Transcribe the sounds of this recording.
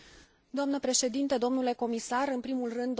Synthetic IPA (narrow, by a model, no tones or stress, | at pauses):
d̪oamnəpɾe̞ʃe̞d̪int̪əd̪o̞mnule̞ko̞misaɾɨnpɾimulrɨnd̪